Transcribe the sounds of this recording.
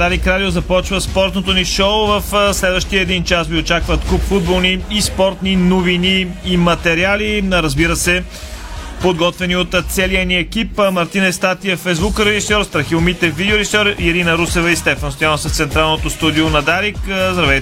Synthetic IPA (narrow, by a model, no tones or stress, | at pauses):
d̪aɾikɾad̪iozɐpɔt͡ʃvəspɔɾt̪not̪oniʃoʊvəfslɛd̪vəʃt̪iəɛd̪int͡ʃasviot͡ʃakvət̪kupfud̪̚bolˠniːspɔɾt̪ninoviniːmɐt̪ɛɾialiɾəzbiɾəsɛ | pod̪ɡɔt̪vɛniot̪t̪sɛliəniɛkipmɐɾt̪inɛst̪at̪iəfɛjzbukɾɛʒisɔɾst̪ɾɐxiʊmit̪ɛvid̪ʲɛoɾɛʒisɔɾɛɾinəɾusɛvəist̪ɛfɐnst̪ojanosəft̪sɛnt̪ɾalˠnot̪ost̪ud̪ionɐd̪aɾikzd̪ɾɐvɛj